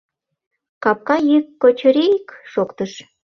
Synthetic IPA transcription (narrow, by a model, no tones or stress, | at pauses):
kɑp̚kɑjikːot͡ɕəɾekʃokt̪əʃ